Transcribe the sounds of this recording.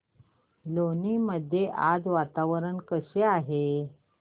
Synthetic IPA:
loniːməd̪ʱːjeʔad͡zʋat̪aʋəɾəɳkəɕeaɦe

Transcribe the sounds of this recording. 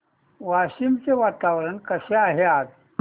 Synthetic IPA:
ʋaɕimt͡seʋat̪aʋɾənkəɕeaɦeat̪

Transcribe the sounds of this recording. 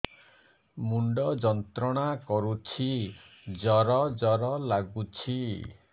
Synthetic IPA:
muɳɖɔd͡ʒɔnt̪ɾɔɽ̃akɔɾut͡ʃʰi | d͡ʒɔɾɔd͡ʒɔɾɔlaɡut͡ʃʰi

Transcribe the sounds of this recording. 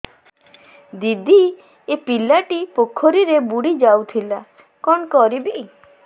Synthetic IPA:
d̪id̪i | epilaʈipokʰːoɾiɾebuɽid͡ʒawt̪ʰila | kɔɳkɔɾibe

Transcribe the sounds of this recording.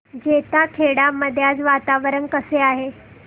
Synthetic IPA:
d͡ʑet̪akʰeɽaməd̪ʱjat͡sʋat̪aʋəɾənkəseaɦe

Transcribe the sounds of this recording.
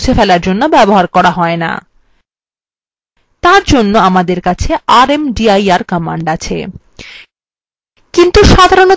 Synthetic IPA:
t͡ɕʰefelaɾd͡ʑonːobɛboɦaɾkɔɾaɦɔena̰ | t̪aɾd͡ʑonːoamad̪eɾkat͡ɕʰeaɾemɖiajaɾkɔmaɳɖat͡ɕʰḛ | kint̪uʃad̪ʱaɾono

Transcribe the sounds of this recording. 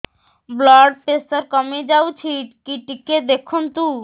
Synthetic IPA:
blɔɖ̚ʈesaɾkɔmed͡ʑawt͡ɕʰiʈkiʈiked̪ekʰunt̪u

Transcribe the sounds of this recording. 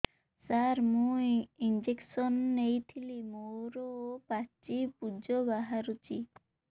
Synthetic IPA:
saɾmũjind͡ʒeksɔnːejt̪ʰilimoɾɔpat͡ʃipud͡ʒɔbaɦaɾut͡ʃʰi

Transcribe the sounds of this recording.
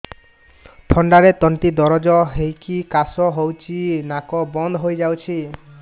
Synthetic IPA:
t̪ʰɔɳɖaɾet̪ɔnʈ̪id̪ɔɾɔd͡ʒɔɦejkikasɔɦowt͡ʃʰinakɔbɔnd̪ʱɦojd͡ʒawt͡ʃʰi

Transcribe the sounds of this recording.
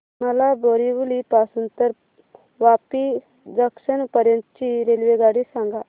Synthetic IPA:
məlaboɾiʋulipasuːnt̪əɾ | ʋapi | d̪əkʂənpəɾjənt̪ət͡ɕiɾelʋeɡaɽisãŋɡa

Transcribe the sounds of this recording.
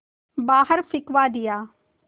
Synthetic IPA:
baːɦəɾfʰɪkʋaːd̪ɪjaː

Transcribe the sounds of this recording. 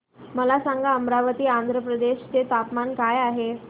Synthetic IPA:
məlasaŋɡaəmɾaʋət̪iːand̪ʱɾəpɾəd̪eɕt͡set̪apmankajaɦe

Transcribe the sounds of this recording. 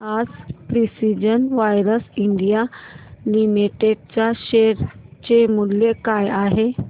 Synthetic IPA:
ad͡zpɾisid͡ʑənʋajɾəsiɳɖijalimiʈeɖt͡ɕjaɕeɾt͡ɕemullekajaɦe

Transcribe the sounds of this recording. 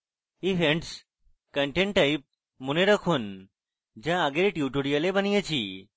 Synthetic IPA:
iʋẽɳʈs | kəɳʈẽɳʈːaip̚ | muneɾəkʰun | d͡ʑãaɡeɾʈjuʈuɽijəlebənijət͡ʃʰi

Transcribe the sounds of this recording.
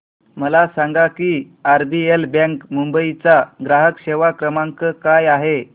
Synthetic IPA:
məlasãŋɡakiː | aɾbielbãŋkmumbəit͡saɡɾaɦəkɕeʋakɾəmaŋkəkajaɦe

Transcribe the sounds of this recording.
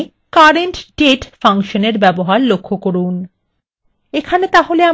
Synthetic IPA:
kaɾeɳʈɖeʈfaŋʃoneɾbɛboɦaɾlokʰːokoɾun | ekʰanet̪aɦolea

